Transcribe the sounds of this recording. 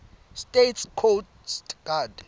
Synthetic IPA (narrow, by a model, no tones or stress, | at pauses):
stetskʰotsɡ̥ad